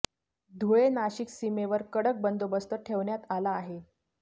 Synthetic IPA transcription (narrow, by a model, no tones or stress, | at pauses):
d̪ʱuenaɕiksimeʋəɾkəɽək̚bənd̪obəst̪əʈʰeʋɳjat̪alaːɦe